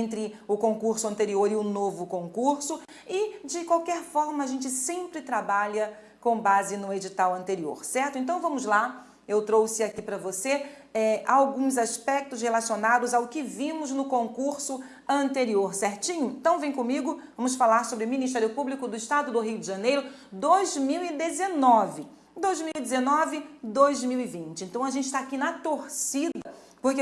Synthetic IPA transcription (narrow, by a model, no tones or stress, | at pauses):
ẽnt̪ɾɪʊkõkuɾsʊɐ̃nt̪eɾioɾɪʊnovʊkõŋkuɾsʊ | ɪd͡ʒɪkwawkɛɾfɔɾmɐːʒẽnt͡ʃɪsẽmpɾɪt̪ɾabaʎɐ | kõbazɪnʊed͡ʒit̪awɐ̃nt̪eɾio̰ɾsɛɾt̪ʊẽnt̪ɐ̃w̃vɐ̃mʊzla | ewt̪ɾowsɪakipɾɐvoseɛawɡũzaspɛk̚t̪ʊshelasionad̪ʊzaʊkɪvĩmʊznʊkõŋkuɾsʊ | ɐ̃nt̪eɾioɾsɛɾt͡ʃĩɲʊẽt̪ɐ̃w̃vẽj̃kõmiɡʊvɐ̃mʊs̬falaɾsobɾɪmĩniʃ̬t̪ɛɾjʊpublikʊd̪ʊɪʃt̪ad̪ʊd̪ʊɦiʊd͡ʒɪʒɐ̃nejɾʊd̪ojzmiwɪd̪ezenɔvɪ | d̪ojzmiwid͡ʒ̪ezenɔvɪd̪ojzmiwɪvĩt͡ʃɪẽnt̪ɐ̃w̃aʒẽnt͡ʃɪʃt̪aːkinɐt̪oɾsid̪ɐ | poɾke